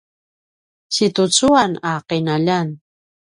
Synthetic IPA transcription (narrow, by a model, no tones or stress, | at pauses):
t͡ʃit̪ʊt͡suanaːqenaʎan